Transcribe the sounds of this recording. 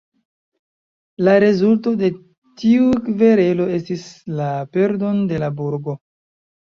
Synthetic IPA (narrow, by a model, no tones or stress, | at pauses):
laɾe̞zulto̞de̞ | tiukve̞ɾe̞lo̞e̞stislape̞ɾdonde̞labuɾɡo̞